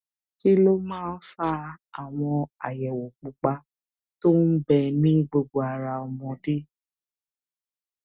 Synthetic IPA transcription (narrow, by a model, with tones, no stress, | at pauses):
ki˦lo˦mãː˦n̩˦fa˦a˨w̃ɔ̃˧a̰˨jɛ˨wo˨k͡pu˧k͡pa˧ | to˦n̩˦bɛ˧nĩ˦ɡ͡bo˧ɡ͡bo˧a˨ɾa˧ɔ˧mɔ̃˧de˦